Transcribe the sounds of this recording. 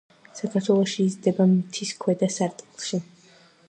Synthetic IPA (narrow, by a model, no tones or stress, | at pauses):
sakʰaɾt̪ʰwɛlˠɔʃiːzd̪ɛbamt̪ʰiskʰwɛd̪asaɾt̪ʼilˠʃi